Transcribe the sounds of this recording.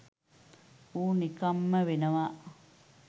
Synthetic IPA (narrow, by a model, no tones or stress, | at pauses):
uːnikamːəʋenəʋaʔ